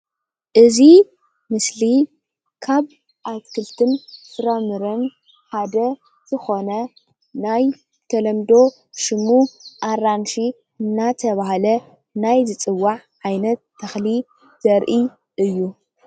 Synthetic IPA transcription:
ʔɨzi | mɨsli | kʰaβ | ʔat̪kʰɨlt̪ʰɨnsɨɾɐmɨɾɐn | ħad̪ɐ | z̥ɨxo̞nɐ | naj | t̪ʰɐlɐmd̪o̞ | ʃɨmuʔaɾanʃi | ɨnːat̪ʰɐβaɦalɐ | najzɨt͡sʼɨwːaʕʕajnɐt̪ʰːɐxli | z̥ɐɾʔi | ʔɨjːu

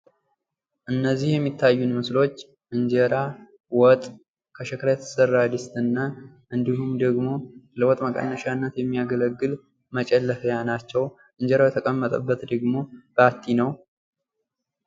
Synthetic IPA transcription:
ʔɨnːəzːihjɛmːit̪ʰːajːunmɨslo̞t͡ʃː | ʔɨɲd͡ʒeɾa | wɔt̪ʼ | kʰəʃɛkʰɾajɛt̪ʰə̥sərːad̪ɨst̪ɨnːa | ʔɨnd̪iɦumd̪əɡmo̞ləwɔt̪ʼməkʼə̰nːəʃanːət̪jɛmːijaɡələɡːɨl | mət͡ʃʼɛlːəfjanat͡ʃːɛw | ʔɨɲd͡ʒɛɾawjɛt̪ʰəkʼəmːət̪ʼəbːət̪d̪əɡmo̞b̥əat̪ʰːinəw

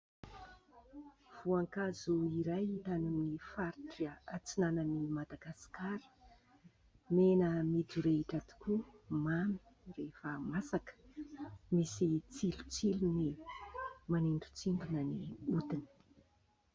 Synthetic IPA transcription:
v̥uaŋkazuiɾajit̪anunnifaɾiʈ͡ʂat͡sinanənimad̪aɡasi̥kaɾi̥ | menəmid̪uɾeiʈ͡ʂat̪u̥kumami̥ | refəmasakə̥ | misit͡silu̥t͡siluni | maneɳɖ͡ʐu̥t͡siɳɖ͡ʐunəniud̪inə̥

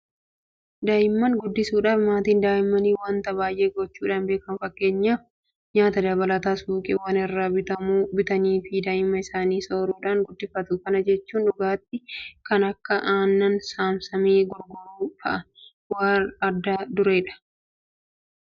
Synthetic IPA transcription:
d̪aːjɪmːɐŋɡʊd̪ːɪsuːᶑaːfmaːt̪iːnd̪aːjɪmːɐniːwaːnt̪ɐbaːjʔe̞ːɡɔt͡ʃːuːᶑaːnbe̞ːkɐnfɐkːe̞ːɲːaːf | ɲaːt̪ɐd̪ɐβɐlɐt̪aːsuːkʼɪwaːnɪrːaːbɪt̪ɐmuːbɪt̪ɐniːfɪd̪aːʔɪmːɐɪsaːniːsoːɾuːᶑaːŋɡʊd̪ːɪfːɐt̪ʊkɐnɐd͡ʒɛt͡ʃːuːnᶑʊɡaːt̪ːɪkɐnɐkːɐʔaːnːɐnsaːmsɐmeːɡɔɾɡɔɾuːfɐ̰ʔɐ | waːɐd̪ːaːd̪ʊɾe̞ːᶑɐ̥

